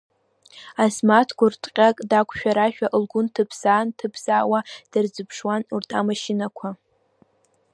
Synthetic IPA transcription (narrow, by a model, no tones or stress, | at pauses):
asmatʰɡʷʊrtʰʼqʲʼakʼdakʷʰʃᶣaɾaʃᶣaʔɨlɡʷʊntʰɨpʰsaːntʰɨpʰsaːwad̥ɨrd͡zɨpʰʂwanurtʼʰa̰maʃɪnakʷʰa